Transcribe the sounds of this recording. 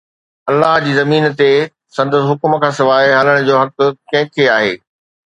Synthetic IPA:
ɐlːaɦd͡ʑiːzɐmiːnt̪e | sɐ̃nd̪əsɦʊkʊm̆kʰãːsɪʋaːɪɦaːləɽ̃d͡ʑoːɦɐkkɐ̃ɦɪ̃kʰeaːɦḛː

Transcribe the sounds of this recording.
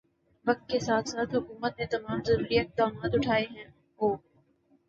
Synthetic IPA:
ʋɐk̚t̪̚kesaːt̪ʰsaːt̪ɦʊkuːmət̪̚net̪ɐmaːmzɐɾuːɾiɪq̚d̪aːmaːt̪ʊʈʰaːeɦɛ̃ː | ɦoː

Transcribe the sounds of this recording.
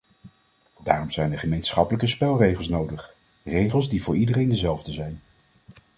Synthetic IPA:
daːrɔmz̥ɛjndəχəmejnsχɑpələkəspɛlˠrejχəlˠs̬nowdəχ | rejχəlˠzdivʊːɹidərejndəzɛlˠvdəzɛjn

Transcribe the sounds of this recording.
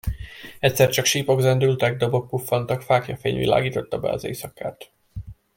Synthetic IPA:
ɛcʲsɛrt͡ʃɒkʃiːpo̞ɡzɛnd̪ylt̪ɛɡ̚d̪obo̞kːufːɒnt̪ɒkfaːkjɒfḛːɲvḭla̰ːɡiːt̪o̞t̪ːɒbɛ̰ɒ̰zḛːjsɒkːaːt̪

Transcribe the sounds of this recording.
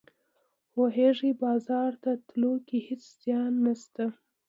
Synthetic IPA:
woɦeʐibɑzɑɾt̪at̪lokihɪt͡sz̥jɑnːast̪a

